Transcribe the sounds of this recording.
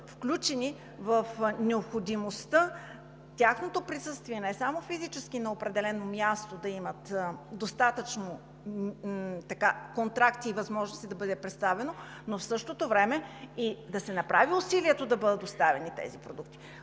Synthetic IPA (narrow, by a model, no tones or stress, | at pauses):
fklʲut͡ʃɛnʲi | vəfnɛopxod̪imost̪ə | t̪ʲaxnot̪opɾisɤst̪viɛnɛsamofizit͡ʃɛsk̟inɐopɾɛd̪ɛlɛnomjast̪od̪ɐimət̪d̪ost̪at̪ət͡ʃno | t̪ɐkakont̪ɾakt̪iːvɐzmɔʒnost̪id̪ɐbɤd̪ɛpɾɛt̪st̪avɛno | nofsɤʃt̪ot̪ovɾɛmɛid̪ɐsɛnɐpɾaviʊsiliɛt̪od̪ɐbɤd̪ət̪ost̪avɛnit̪ɛ̰zipɾod̪uk̚t̪i̥